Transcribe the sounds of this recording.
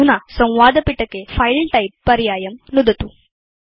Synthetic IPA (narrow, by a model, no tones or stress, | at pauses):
unɐsɐ̃w̃ʋaːd̪ɐpiʈːɐkːepʰɐjlʈɐjpːɐɾjaːjɐmnud̪ɐt̪u